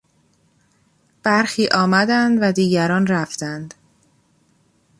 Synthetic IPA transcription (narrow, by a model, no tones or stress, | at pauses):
b̥æɾxiːʔɒːmæd̪ænd̪væd̪iːɟæɾɒːnɾæft̪ænd̪